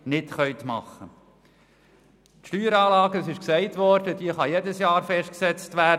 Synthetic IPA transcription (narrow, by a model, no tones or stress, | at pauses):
nɪtχœʏt̪mɑ̰χːə | t̪ʃtyːɾɑːlɑːɡədɑsɪʃksɛɪtʋɔɾd̥ədiəχɑjedəsjɑːɾfɛʃt̚ksɛt͡stʋæː